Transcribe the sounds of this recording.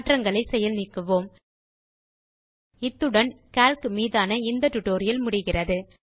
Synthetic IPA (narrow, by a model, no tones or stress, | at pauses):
ʈrɐŋɡɐɭɐɪsɛjɐlnɪkːɯʋoːm | ɪt̪ːɯɽɐn | kaːlkɯmiːðaːnɐɪnd̪ɐʈːʊʈːoːɾɪjɐlmʊɽɪɣɪrɐðɯ